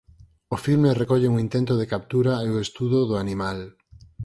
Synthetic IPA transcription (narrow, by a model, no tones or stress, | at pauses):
ʊfilmerekɔʎeuŋint̪ent̪ʊðekap̚t̪uɾaeoest̪uðoðʊanimal